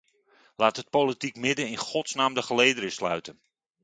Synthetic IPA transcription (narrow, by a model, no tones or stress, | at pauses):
laːtɦət̚politikmɪdəɪnχɔtsnaːmdəχəleːdəɾɪslœ̰ɥtən